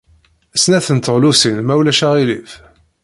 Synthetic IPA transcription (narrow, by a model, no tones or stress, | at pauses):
snæθənt̪əʁlusinmæwlæʃæʁilif